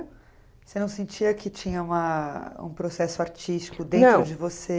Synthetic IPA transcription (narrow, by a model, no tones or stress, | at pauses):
senɐ̃w̃sẽnt͡ʃiɐkɪt͡ʃĩɲɐũmɐṵ̃pɾosɛsʊaɾt͡ʃist͡ʃi̥kʊd̪ẽnt̪ɾʊd͡ʒɪvose